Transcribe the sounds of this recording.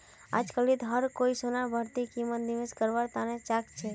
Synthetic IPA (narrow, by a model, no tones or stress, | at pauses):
a̰d͡ʒkəlit̪ɦəɾkoisonabʱəɾt̪ikimːət̪niʋeskəɾʋaɾt̪anet͡ʃakt͡ʃʰe